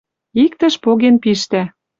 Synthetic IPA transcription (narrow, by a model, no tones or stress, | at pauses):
ikt̪ə̆ʃpoɣenpiʃt̪æ